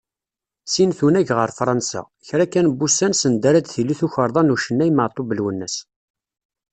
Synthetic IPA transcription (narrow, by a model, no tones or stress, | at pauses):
sinθunæʝʁəɾˤfɾˤɑnsa̰ | çɾækːænbusænsənd̪æɾæd̪θilːiθuçəɾˤðˤɑnuʃənːæjmət̪ˤːobəlwənːəs